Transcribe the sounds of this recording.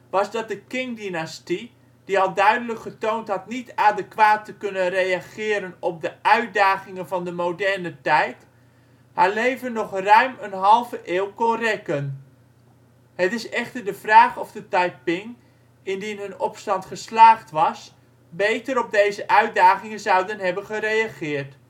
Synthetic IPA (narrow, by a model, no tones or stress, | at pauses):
ʋɑzdɑt̚dəkɪŋdinasti | d̥iɑlˠdœɥdələkχətowntɦɑtnitaːdəkʋaːtəkɵnənrejaχɪːɾənɔp̚dəʔœɥt̚daːχɪŋənvɑndəmowdɛɹnətɛjt | haːɹlejvənːɔχrœɥmənɦɑlˠvəʔɪːwkɔnrɛkən | ɦətɪsɛχtəɹdəvraːχɔvdətaj̚pɪŋ | ɪndinɦɵnɔpstɑntχəslaːχtʋɑs | bejtəɾɔb̚dejzəʔœɥt̚daːχɪŋənzɑwdənɦɛbənχəɾejaχɪːɹt